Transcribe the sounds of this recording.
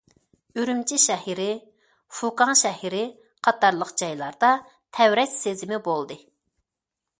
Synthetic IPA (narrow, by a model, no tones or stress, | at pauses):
yɾymt͡ʃʰiʃɛhiɾɪ | fukɑŋʃɛhiɾɪ | qʰɑt̪ɑɾlˠəqd͡ʒɑjlˠɑɾd̪ɑ | t̪ʰɛwɾɛt͡ʃʲsezɪmɪbolˠd̪ɨ